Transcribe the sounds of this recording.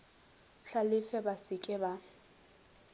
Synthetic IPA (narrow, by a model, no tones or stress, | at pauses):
ɬalɪfɛbasɪkʼɪba